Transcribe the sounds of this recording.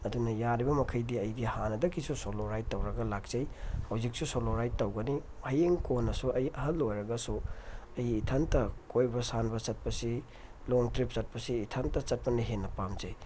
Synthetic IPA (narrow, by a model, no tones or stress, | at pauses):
ɐdunɐjaɾibɐmɐkʰɐjdiɐjɡihanɐdɐkːisusoloɾajd̚tːɐwɾɐɡɐlak̚zɐjhawzik̚susoloɾajt̚tːɐwɡɐni | hɐjeŋkonːɐsuɐjɐɦɐlːojɾɐɡɐsuɐjitʰantɐkojbɐsanbɐsɐt̚pɐsi | loŋtɾip̚sɐt̚pɐsiːtʰantɐt͡ʃɐt̚pɐniɦenːɐpamzɐj